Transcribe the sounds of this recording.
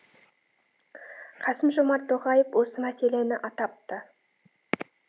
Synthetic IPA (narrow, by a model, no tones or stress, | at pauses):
qʰɑsəmʒo̞mɑɾt̪ʰoʁɑjefwo̞səmæse̞le̞nɪʔɑt̪ɑp̚t̪ə